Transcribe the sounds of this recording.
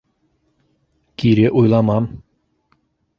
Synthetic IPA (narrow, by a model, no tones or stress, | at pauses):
kʲiɾeʔujlˠɑmɑm